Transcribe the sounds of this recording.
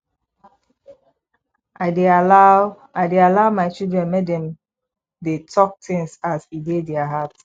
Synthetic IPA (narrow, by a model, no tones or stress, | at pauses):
aɪdea | adealaʊmaɪt͡ʃildɹɛ̃nmedɛ̃m | detʰɔk̚tĩŋsasidedɛaɦat